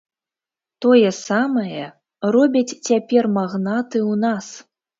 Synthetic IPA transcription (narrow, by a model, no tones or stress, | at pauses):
t̪ɔjɛsamɐjɛ | rɔbʲɐt͡sʲt͡sʲapʲɛrmaɣnat̪ɨwnas